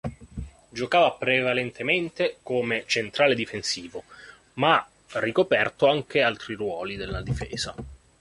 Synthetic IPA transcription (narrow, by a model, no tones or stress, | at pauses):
d͡ʒokaːvapɾevalent̪ʰement̪ekomet͡ʃent̪ɾaːled̪ifensiːvo | ma | rːikopɛrt̪oaŋk̟ealt̪ɾirwɔːlid̪elːad̪ifḛːz̥a